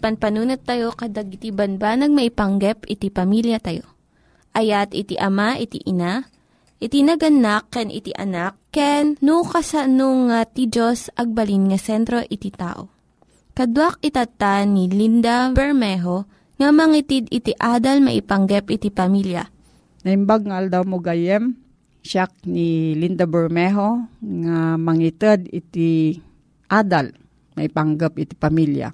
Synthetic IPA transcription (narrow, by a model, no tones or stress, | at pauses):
pɐnpɐnuːnɐt̪ːɐjo̞kɐd̪aɡɪt̪ibɐnbanɐɡ̚mɐʔɪpɐŋɡɛpɪt̪ipɐmiljɐt̪ɐjo | ʔɐjat̪ɪt̪iʔɐmaʔɪt̪ḭʔɪna | ʔɪt̪inɐɡɐnakːɛnʔɪ̰t̪ḭʔɐ̰nak̚ːɛnːukɐsanoŋːat̪id͡ʒosʔɐɡ̚bɐlinŋɐsɛnt̪ɾo̞ʔɪt̪it̪a̰ːʔo̞̰ | kɐd̪wak̚ɪt̪ɐt̪anilind̪abɛɹmɛɦo | ŋɐmɐŋit̪id̪ɪt̪iʔaːd̪ɐlmɐ̰ʔɪpɐŋɡɛpʔɪt̪ipɐmiljɐ̰ | nɐhimbaɡ̚ŋaʔɐld̪awmoɡajɛm | ʃak̚nilind̪abɛɹmɛɦoŋamɐŋit̪ɛd̪ɪt̪i | ʔad̪al | mɐʔɪpaŋɡap̚ɪt̪i̥pɐmilja̰